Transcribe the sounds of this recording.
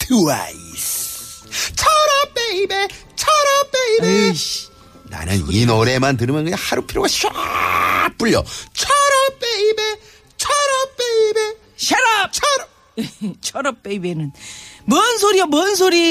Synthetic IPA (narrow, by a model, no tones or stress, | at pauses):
tʰua̰is | t͡ɕʰʌɾʌp͈eibe | t͡ɕʰʌɾʌp͈eibe | na̰nɯninoɾe̞mantɯɾɯmjʌnkɯɲahaɾupʰiɾjoɡaɕa | p͈uʎːʌ̰t͡ɕʰʌɾʌp͈eibe | t͡ɕʰʌɾʌp͈ːeibe | ɕʰeɾap̚t͡ɕʰ | t͡ɕʰʌɾʌp͈ːeibenɯnmʌnsʰoɾiʌmʌns̬ʰoɾi